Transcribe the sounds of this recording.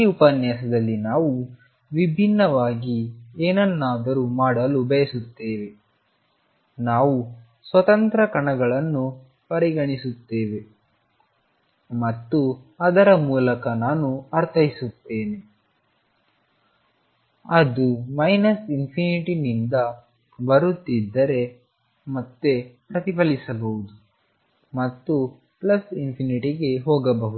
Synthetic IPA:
iupɐnjasɐd̪ɐlːinaːʋu | ʋibʱinːɐʋaːɡieːnɐnːaːd̪ɐɾumaːɽɐlubɐjɐsut̪ːeːʋe̞ | naːʋu | sʋɐt̪ɐnt̪ɾɐkɐɳɐɡɐɭɐnːu | pɐɾiɡɐɳisut̪ːe̞ːʋe̞ | mɐt̪ːuɐd̪ɐɾɐmuːlɐkɐnaːnuɐɾt̪ʰɐjisut̪ːe̞ːne̞ | ɐd̪umɐjnɐsinpʰiniʈinind̪ɐ | bɐɾut̪ːid̪ːɐɾe̞ | mɐt̪ːe̞pɾɐt̪ipɐlisɐbɐwud̪u | mɐt̪ːu | plɐsinpʰiniʈiɡe̞ɦɔːɡɐbɐɦud̪

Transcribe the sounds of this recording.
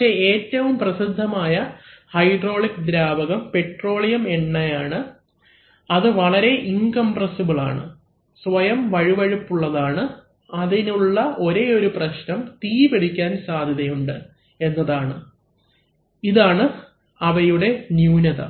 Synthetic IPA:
eeːtːɐʋumprɐsid̪ʱːɐmaːjɐhɐjɖro̞ːɭikd̪ɾaːbɐɣɐmpe̞ʈro̞ːɭijɐmeɳːɐjaːɳɨ | ɐðɨʋɐɭɐɾe̞ʔiŋkɐmprɐsibɨɭa̰ːɳɨ̰ | sʋɐjɐmʋɐɻiʋɐɻupːuɭːɐðaːɳɨ | ɐðinuɭːɐʔo̞ɾe̞o̞ɾuprɐɕnɐmt̪iːbeɽikʲːaːnsaːd̪ʱjɐðɐjuɳɖɨ | e̞nːɐðaːɳɨ | iðaːɳɨ | ɐʋɐjuɽe̞njuːnɐðɐ̰

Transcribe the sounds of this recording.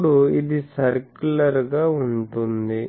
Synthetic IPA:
ɽuid̪isɐɾkulɐɾɡaːuɳʈund̪i

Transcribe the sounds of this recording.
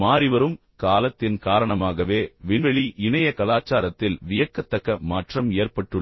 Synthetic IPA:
maːɾɪʋɐɾɯm | kaːlɐt̪ːɪnkaːɾɐɳɐmaːɣɐʋeːʋɪnʋɛɭiʔɪɳɐjɐkɐlaːt͡ʃːaːɾɐt̪ːɪlʋɪjɐkːɐt̪ːɐkːɐmaːʈrɐmeːrpɐʈːɯ

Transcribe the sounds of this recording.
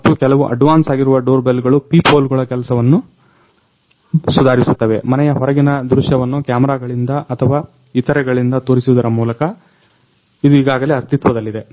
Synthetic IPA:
ɐt̪ːukɛlɐʋuʔɐ̰ɖʋaːnsaːɡiɾuʋɐɖoːɾbelːɡɐɭupiːpʰoːlɡuɭɐkɛlɐsɐʋɐnːu | sud̪ʱaːɾisut̪ːɐʋe̞mɐnɛjɐɦɔɾɐɡinɐd̪ɾuʃjɐʋɐnːukjaːmɐɾaːɡɐɭind̪ɐʔɐt̪ʰɐʋaː | it̪ːɐɾɛɡɐɭind̪ɐt̪oːɾisuʋud̪ɐɾɐmuːlɐkɐ | id̪uiːɡaːɡɐleɐst̪it̪ʋɐd̪ɐlːid̪e̞

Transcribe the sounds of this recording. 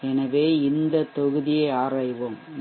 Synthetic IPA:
ɛnɐʋeːɪnd̪ɐt̪ːɔɣɯðɪjɐɪaːɾaːjʋoːm

